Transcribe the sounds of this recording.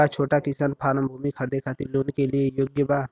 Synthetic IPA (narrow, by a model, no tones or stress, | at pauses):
at͡ʃʰoːʈakɪsaːnpʰaːɾəmbʱuːmikʰɐɾd̪ekʰaːt̪iloːnkeliejoɡjəbaː